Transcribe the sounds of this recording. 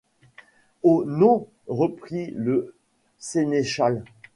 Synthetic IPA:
onɔ̃ | ʁəpχilə | seneʃal

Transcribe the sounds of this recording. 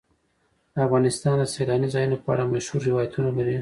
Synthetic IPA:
afɣɑnɪst̪ɑnd̪əsalɑnizɑjunopɑ̰ɾamaʃhuɾːɪwɑjat̪ʰunalaɾi

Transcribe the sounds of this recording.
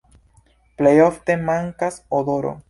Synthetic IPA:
plejofte̞maŋkasodoɾo̰

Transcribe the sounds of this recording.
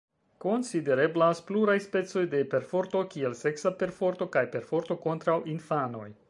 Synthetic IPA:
ko̞nside̞ɾe̞blaspluɾajspe̞t͡so̞jde̞pe̞ɾfo̞ɾto̞kie̞lse̞ksape̞ɾfo̞ɾto̞kajpe̞ɾfo̞ɾto̞ko̞ntɾawinfano̞̰j

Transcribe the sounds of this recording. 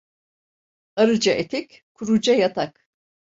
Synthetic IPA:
aɾɯd͡ʒaʔet̪ʰɛkʲ | kʰuɾud͡ʒajat̪ʰak

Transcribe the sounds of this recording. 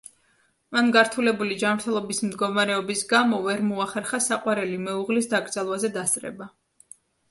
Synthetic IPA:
manɡaɾt̪ʰulɛbulid͡ʒanmɾt̪ʰɛlˠɔbismd̪ɡɔmaɾɛɔbisɡamɔvɛɾmɔaχɛɾχasaqʼwaɾɛlimɛuʁlisd̪aɡɾd̪zalˠwazɛd̪ast̪sʼɾɛ̰ba

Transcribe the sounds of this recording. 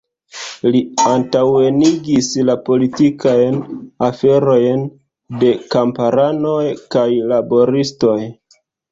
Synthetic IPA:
liantawe̞niɡislapo̞litikajnafe̞ɾo̞jn | de̞kampaɾano̞jkajlabo̞ɾisto̞j

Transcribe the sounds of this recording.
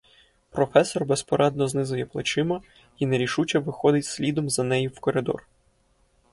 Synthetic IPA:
pɾɔfɛsɔrbespɔɾʔɛd̪̚nɔznɪzʊjɛplˠɐt͡ʃɪmɐ | ineɾʲiʃut͡ʃɐʋɪxɔd̪ɪtʲsʲlʲid̪ɔmzɐnɛjiwkɔɾɪd̪ɔ̰r

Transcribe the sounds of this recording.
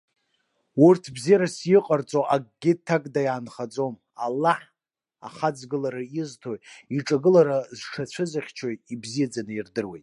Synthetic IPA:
urtʰbzijaɾasjɪqʼart͡sʼoʔaɡ̚ʼɡʲɪtʰːakʼdajaːnχad͡zo̞m | alːaħ | a̰χad͡zɡɨlaɾaiztʰojiʈ͡ʂʼaɡɨlaɾazʂat͡ɕʷʰɨzaχʲt͡ʃʰojibzijad͡zanɨirdɨrwḛjt

